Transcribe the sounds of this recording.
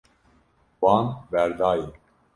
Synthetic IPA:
wɑːnvɛɾd̪ɑːje

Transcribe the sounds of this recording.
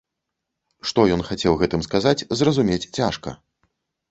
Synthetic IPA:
ʂt̪ɔjɔnxat͡sʲɛwɣɛt̪ɨmskazat͡sʲzrɐzumʲet͡sʲt͡sʲaʂkɐ̰

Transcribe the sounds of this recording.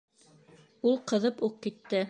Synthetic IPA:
ulˠqɤ̆ðɤpuqkit̪ːɘ

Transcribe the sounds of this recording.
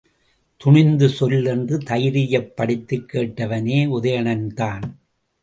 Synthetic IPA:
t̪ʊɳɪnd̪ɯsɔlɛndrɯt̪ɐjɪɾɪjɐpːɐɽɪt̪ːɯkːeːʈːɐʋɐneːʊðɐjɐɳɐnt̪aːn

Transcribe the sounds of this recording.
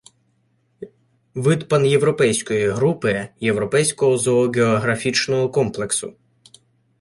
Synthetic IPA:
ʋɪd̪pɐnje̞ʋɾɔpɛjsʲkɔjiɦɾupɪje̞ʋɾɔpɛjsʲkɔɦɔzɔːɡʲeɔɦɾɐfʲit͡ʃnɔɦɔkɔmplˠe̞ksʊ̰

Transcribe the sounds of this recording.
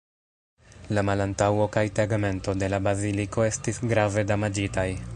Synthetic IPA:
lamalantawo̞kajtaɡme̞nto̞de̞labaziliko̞e̞stisɡɾave̞damad͡ʒitaj

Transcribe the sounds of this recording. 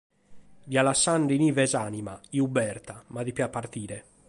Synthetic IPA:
vjalasːaɳɖinivɛzaːnimaiubɛɾt̪amaðipiapːaɾt̪iːɾɛ

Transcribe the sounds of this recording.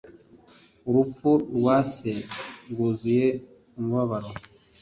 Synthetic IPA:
uɾup͡ffuɾwaːseɡuzuje | umuβaβaɾo

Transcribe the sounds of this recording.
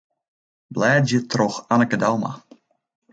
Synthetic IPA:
blɛːd͡ʒət̪roxanəkədawma̰

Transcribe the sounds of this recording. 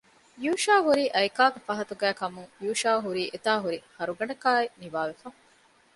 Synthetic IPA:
juːʃaːɦuɾiːʔɐjkaːɡefɐɦɐt̪uɡæːkɐmuŋjuːʃaːɦuɾiːʔet̪aːɦuɾihɐɾuɡɐɳɖɐkaːeniʋaːʋefɐ

